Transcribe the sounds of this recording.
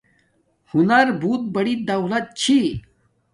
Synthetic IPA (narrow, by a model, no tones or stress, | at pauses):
hunɐɾbut̪̚bɐɽid̪ɐwlɐt̪̚t͡ɕʰi